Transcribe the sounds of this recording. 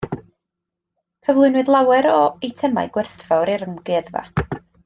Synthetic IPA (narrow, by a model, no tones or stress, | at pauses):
kʰəvlˠʊɨnwɨdlˠawɛɾɔitʰɛma̰jɡ̥wɛrθvɔwɾiɾəmɡɪðva̰